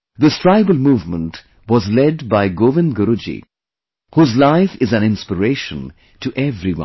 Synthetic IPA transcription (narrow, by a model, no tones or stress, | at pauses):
ðɪstɹ̥aɪbəlmuːvmə̃nʈ | wɔzlɛɖbaɪɡoːʋɪ̃nɡəɾud͡ʒḭ | huːzlaɪfɪzæ̃nɪ̃nspəɾeːʃə̰̃n | tʰuʔɛvɾiwʌ̰̃n